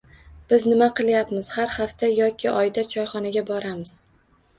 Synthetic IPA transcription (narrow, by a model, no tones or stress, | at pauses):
b̥ɪznɪmaqʰɨlˠjapmɪz̥haɾhaft̪ʰajɒkʲʰɪʔɒjd̪at͡ʃʰɒjχɒnaɡʲabɒɾamɪz̥